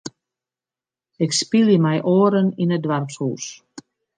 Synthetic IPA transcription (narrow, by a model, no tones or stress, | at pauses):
ɪkspilˠjəmɛjʔoːəɾəninədʋarpshṵːs